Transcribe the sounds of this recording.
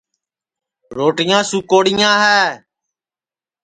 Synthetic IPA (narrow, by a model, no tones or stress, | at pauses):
ɾoːʈɪjãːsuːkoːɽɪjãːɦɛː